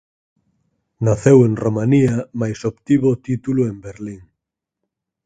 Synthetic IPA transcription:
naθeweŋromaniamajsopt̪iβot̪it̪uluembeɾliŋ

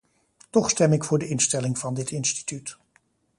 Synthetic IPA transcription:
tɔχstɛmɪkfʊːɹdəɪnstɛlɪŋv̥ɑndɪtɪnsti̥tyt

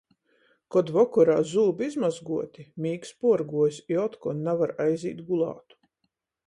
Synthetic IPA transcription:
kɔd̪vɔkɔɾaːzuːbizmazɡuɔt̪ʲimʲiːkspuɔɾɡuɔjsjɔt̪kɔnnːavaɾajzʲḭːt̪ɡulˠɑ̰ːt̪u̥

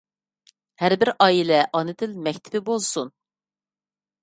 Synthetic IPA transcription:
hæɾbɪɾɑːilɛʔɑnɨd̪ɪlmɛkʲt̪ʰɪ̥bɪbozsun

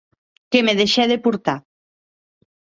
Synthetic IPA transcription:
kemeðeʃɛðepuɾt̪a

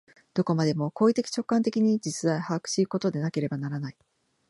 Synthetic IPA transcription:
d̪̥o̞ko̞mad̪e̞mo̞ko̞ːit̪e̞kʲi̥t͡ɕo̞kːãnt̪e̞kʲiɲ̟id͡ʑit͡sɨd̪aihaːkɯ̟̥ɕiːko̞t̪o̞d̪e̞nake̞ɾe̞banaɾanai

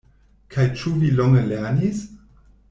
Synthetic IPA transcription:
kʰajt͡ʃuvilɔŋəleɐnis

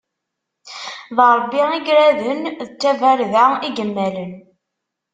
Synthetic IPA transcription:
ðɾˤbːiiɡɾæðənðət͡sːævæɾðæiɡəmːælən

